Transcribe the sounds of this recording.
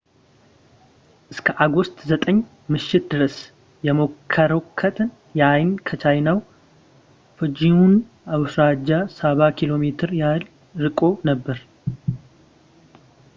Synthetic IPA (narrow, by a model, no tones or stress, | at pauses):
ʔɨskʰəʔaɡost̪ʼzət̪ʼəɲː | mɨʃːɪt̪̚d̪ɨɾəs | jɛmo̞kʰːəɾokʰːət̪ʼn | jajnkʰət͡ʃʰajnaw | fɨd͡ʒiun | awsɾad͡ʒːasaβakʰilo̞met̪ʰɨɾjal | ɾɨkʼo̞nəbːəɾ